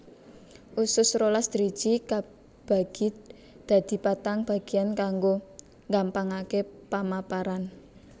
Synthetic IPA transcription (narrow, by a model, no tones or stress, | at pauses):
ʔusʊsɾolasd̪̥əɾi̥d͡ʒ̥ika | b̥a̤ɡ̥i̤ | d̪̥a̤d̪̥i̤pat̪aŋb̥a̤ɡ̥ijankaŋɡo | ŋɡampaŋakepamapaɾan